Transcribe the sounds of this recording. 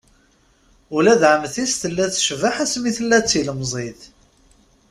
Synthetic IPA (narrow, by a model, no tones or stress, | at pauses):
ʊlæðʕəmθist̪əlːæθʃvaħæsmiθəlːæt͡sːiləmzˤið